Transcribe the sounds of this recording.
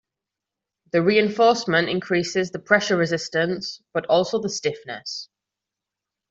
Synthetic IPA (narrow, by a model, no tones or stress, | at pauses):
ðəɹiːɪ̃ɱfɔˑsmə̃ntɪ̃nkʰɹ̥iˑsɪzðəpʰɹ̥ɛʃəɹɪzɪstə̃nsb̥ətɔˑlˠsoʊðəstɪfnə̰s